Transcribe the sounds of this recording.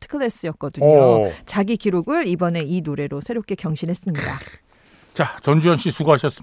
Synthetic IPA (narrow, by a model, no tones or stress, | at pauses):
tʰɯ̥kʰɯɭes͈ɯjʌt̚k͈ʌdɯɲot͡ɕaɡikiɾoɡɯɭibʌne̞inoɾe̞ɾosʰe̞ɾop̚k͈e̞kjʌŋɕʰinɦe̞s͈ɯmɲida | t͡ɕat͡ɕʌnd͡ʑuanɕ͈isuɡaɦaɕʰʌs͈ɯ